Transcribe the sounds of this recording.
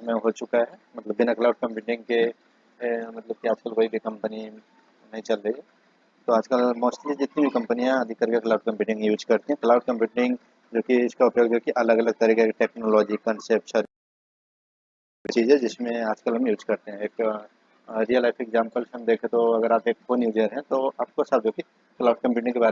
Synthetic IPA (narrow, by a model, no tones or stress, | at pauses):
smẽɦot͡ʃʊkaɦɛmɐt̪ləbːɪnaklaʊɖ̚kɐ̃mpjuːʈɪ̃ŋɡke | mɐt̪ləb̚kiaːd͡ʒkəlkoːibʱikɐ̃mpəni | nɐɦĩt͡ʃɐlɾəiɛ | t̪oaːd͡ʒkəlmoːsʈlid͡ʒɪt̪nibʱikɐ̃mpənijãəd̪ʱikɐɾkeklaʊɖ̚kɐ̃mpjuːʈɪ̃ŋɡjuːd͡ʒkɐɾt̪iɦɛ̃klaʊɖkɐ̃mpjuːʈɪ̃ŋɡ | d͡ʒoːkiɪskaʊpjoːɡd͡ʒoːkiʔɐləɡɐləɡ̚t̪ɐɾiːkekʈeːknɔlɔːd͡ʒikɐ̃nsep̚ʈsɔːɾ | t͡ʃiːzɛd͡ʒɪsmẽaːd͡ʒkəlɦɐmjuːd͡ʒkɐɾt̪eɦɛ̃eːk | ɾiəlaɪfeɡzãːmpəlsɦɐmd̪eːkʰẽt̪oɐɡəɾaːpeːkfoːnjuːd͡ʒiəɾɦɛ̃t̪oaːp̚kosɐb̚d͡ʒoːki | klaʊɖ̚kɐ̃mpjuːʈ̬ɪ̃ẽkebaːɾ